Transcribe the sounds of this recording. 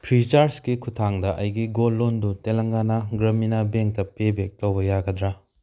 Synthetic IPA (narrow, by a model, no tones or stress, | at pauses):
pʰɾit͡ʃaɾskikʰutʰaŋdɐʔɐjɡiɡolːondutelɐŋɡanɐɡɾɐminabeŋk̚tɐpebek̚towbɐjaɡɐdɾa